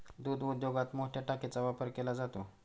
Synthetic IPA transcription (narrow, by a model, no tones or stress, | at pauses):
d̪ud̪ud̪joɡat̪moʈʰjaʈaket͡saʋapəɾkelad͡zat̪o